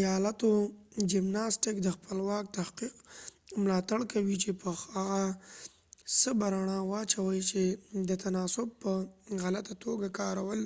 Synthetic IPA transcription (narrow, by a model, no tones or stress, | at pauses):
jɑlat̪od͡ʒɪmnɑsʈɪkd̪əxpəlwɑk̚t̪ahqiqmlɑt̪aɽkawit͡ʃepəaɣa | səbaɾaɳawɑt͡ʃawəjt͡ʃed̪ət̪anɑsʊb̚pəɣalat̪at̪ʰoɡakɑɾawəl